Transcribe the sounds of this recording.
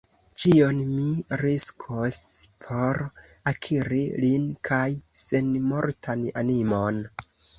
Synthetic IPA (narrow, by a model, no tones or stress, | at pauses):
t͡ʃionmiɾiskʰospʰo̞ɾakʰiɾilinkʰajse̞nmo̞ɾtʰana̰nimo̞n